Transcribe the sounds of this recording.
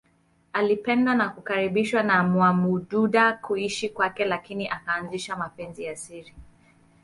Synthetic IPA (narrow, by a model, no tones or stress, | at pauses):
alipɛndwanakukaɾiɓiʃwanamuamuɗuɗakuiʃikwakɛlakiniʔakaːnziʃamapɛnzijasiɾi